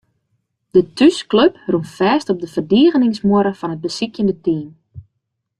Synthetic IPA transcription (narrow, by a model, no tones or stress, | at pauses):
d̥ətyskløprunfɛːstɔb̚dəvərdiəɣənɪŋsmʊɾəfɔnət̚bəsikjəndətiːm